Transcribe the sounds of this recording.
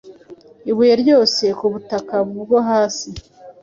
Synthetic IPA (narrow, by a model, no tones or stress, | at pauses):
iβujeɾɟo̞ːse̞kuβutakaβubɡo̞ɦaːsi